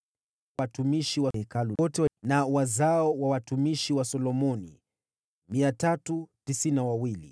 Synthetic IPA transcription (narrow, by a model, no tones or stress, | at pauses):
atumiʃiwahɛkaluɔtɛnawazaɔwawatumiʃiwasɔlɔmɔnḭ | miatatutisinawawilḭ